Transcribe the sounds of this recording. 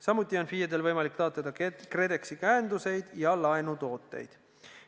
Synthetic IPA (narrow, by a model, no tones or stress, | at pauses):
sɑmut̪ʲːˑio̞nfiːjed̪e̞lvɤjmɑlikt̪ɑːt̪ːˑɑd̪̥ɑkre̞d̪e̞ksikæːnd̪use̞jd̪̥jɑlɑenut̪o̞ːt̪ːˑe̞̰jd̪̥